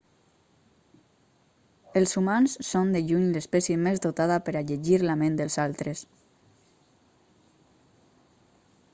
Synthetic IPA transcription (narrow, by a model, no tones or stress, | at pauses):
elˠsumansːond̪eʎuɲlespɛsjemezd̪ot̪aðapəɾaʎeʒiɾlamend̪əlˠzalˠt̪ɾes